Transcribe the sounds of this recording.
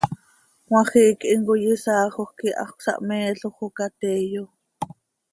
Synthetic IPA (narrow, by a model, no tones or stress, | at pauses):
wɑ̃χiːkʔiŋkojisɑːχoχkiʔɑ̰χksɑ̰ʔmɛːɬoχokat̪ɛːjo